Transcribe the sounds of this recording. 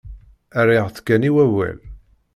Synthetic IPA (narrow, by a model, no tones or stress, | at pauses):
ærɪʁθkːæniwæwæ̰l